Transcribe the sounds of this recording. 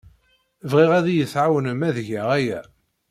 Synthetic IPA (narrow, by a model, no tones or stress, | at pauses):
vʁiʁæðijəθʕawənəmæðʝæʁæjæ